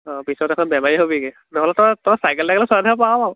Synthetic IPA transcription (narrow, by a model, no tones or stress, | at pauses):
ɔ̃pisɔtɛkʰɔnbjɛmaɹiɦobiɡi | nɛɦɔlɛtɔatɔasajkɛldaɡɛlɛsanʰɔpaa